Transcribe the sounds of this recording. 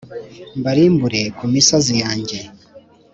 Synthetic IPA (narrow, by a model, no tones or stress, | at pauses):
mbaɾiːmbuɾe̞kumisazijaːɲɟe